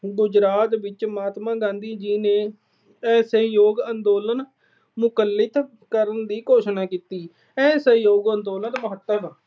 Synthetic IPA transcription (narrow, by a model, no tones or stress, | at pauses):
ɡʊd͡ʒɾaːt̪ʋɪt͡ʃmaːt̪mãːɡãːnd̪iːd͡ʒiːneː | ɛ̃ːsəjoːɡənd̪oːlən | mʊkəlːɪt̪ | kəɾənd̪iːkoːʃnaːkiːt̪iː | ɛːsəɦjoːɡənd̪oːlənt̪məɦət̪ːəm